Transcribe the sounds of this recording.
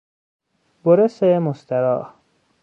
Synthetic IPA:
boɾesemost̪ʰæɾɒ̰ː

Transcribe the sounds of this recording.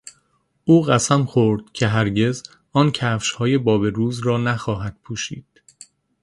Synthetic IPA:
ʔuːɣæsæmxoɾd̪̥̚cʰe̞ɦæɾɟe̞z | ɒːncʰæːfʃhɒːje̞bɒːbe̞ɾuːzrɒːnæxɒːɦæd̪̥pʰuːʃḭːd̪̥

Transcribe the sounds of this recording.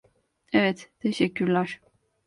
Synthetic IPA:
ɛvɛt̪t̪ʰeʃɛcʰːyɾlʲæɾ̥

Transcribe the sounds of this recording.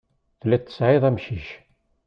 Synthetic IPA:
θlæt̪ːə̥sʕiðˤæmʃiç

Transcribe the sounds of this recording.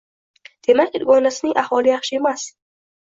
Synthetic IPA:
d̪̥ʰemaid̪ɡɔnasniʔahwɒlijaχʃemas

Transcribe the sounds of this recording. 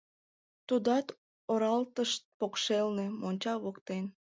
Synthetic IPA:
t̪ud̪ɑt̪ | oɾɑlt̪əʃt̪̚pokʃelnemonʲt͡ɕɑβokt̪en

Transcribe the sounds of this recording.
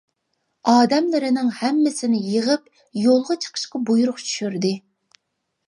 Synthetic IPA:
ɑːd̪ɛmlɪɾɪnɪŋhɛmːɪsɪnɪjəʁəp̚ | jolˠʁɑt͡ʃʰə̥qʰə̥ʃqɑbujuɾʊqt͡ʃʰy̥ʃyɾd̪ɪ

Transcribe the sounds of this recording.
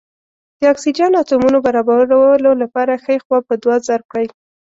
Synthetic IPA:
d̪̥əɑksid͡ʒɑnɑt̪umunobaɾɑbaɾwlolapɑɾaxəexwɑpəd̪wɑzaɾp̚kɽaj

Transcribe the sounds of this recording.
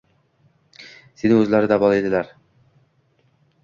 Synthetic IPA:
senɪŋɵzlæɾɪd̪æbɒlˠed̪ɪ̆læɾ

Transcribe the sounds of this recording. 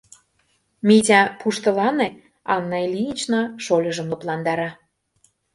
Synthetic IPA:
mʲitʲɑpuʃt̪ɤ̆lɑne | ɑnːɑilʲiit͡ɕnɑʃolʲɤ̆ʒə̆moplɑnd̪ɑɾɑ

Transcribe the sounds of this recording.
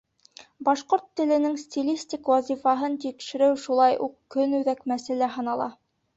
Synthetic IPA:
bɑʃqoɾt̪ːɘ̆lɘ̆nɘŋsʲt̪ʲilʲisʲtʲikwɑzʲifɑɦɤnt̪ikʃɘ̆ɾɘwʃulˠɑjʔuqkːɵnʉðækmæsæ̆læɦɤ̆nɑlˠɑ

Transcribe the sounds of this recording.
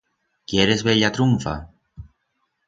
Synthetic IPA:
kjeɾezβeʎat̪ɾuɱfa̰

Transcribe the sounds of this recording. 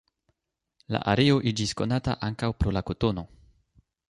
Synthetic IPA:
la̰ʔaɾeo̞ʔid͡ʒisko̞nata̰ʔaŋkawpɾo̞lako̞to̞no̞

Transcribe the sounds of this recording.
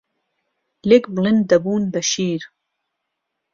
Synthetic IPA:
lekbɨlɨnd̪ɐbuːnbɐʃiːɾ

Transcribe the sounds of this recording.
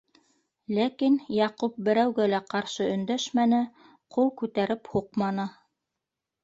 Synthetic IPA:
lækinjɑqup̚bɘ̆ɾæwɡælæqɑɾʃɤɵ̆nd̪æʃmænɘ | qulˠkʉt̪æɾɘphuqmɑnɤ

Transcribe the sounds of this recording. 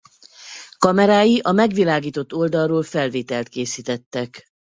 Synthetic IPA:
kɒmɛɾaːjiʔɒmɛɡʋilaːɡiːt̪o̞t̪ːo̞ld̪ɒrroːlfɛlveːt̪ɛlt̪keːsiːt̪ɛt̪ːɛk

